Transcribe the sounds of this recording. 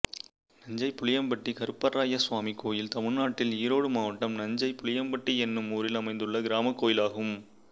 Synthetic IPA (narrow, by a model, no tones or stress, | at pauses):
nɐɲd͡ʒɐɪpːʊɭɪjɐmbɐʈːikɐɾɯpːɐɾaːjɐsʋaːmikːoːjɪlt̪ɐmɪɻnaːʈːɪliːɾoːɽɯmaːʋɐʈːɐmnɐɲd͡ʒɐɪpʊɭɪjɐmpɐʈːiɛnːɯmuːɾɪlɐmɐɪnd̪ɯɭːɐɡɪɾaːmɐkːoːjɪlaːɣɯm